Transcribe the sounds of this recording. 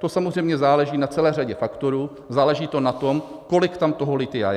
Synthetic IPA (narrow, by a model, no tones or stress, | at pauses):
t̪o̞samozrɛjmɲɛzaːlɛʒiːnat͡sɛlɛːr̝aɟɛfakt̪o̞ɾuː | zaːlɛʒiːt̪o̞nat̪o̞m | ko̞lɪkt̪amt̪oɦolɪt̪ɪja̰j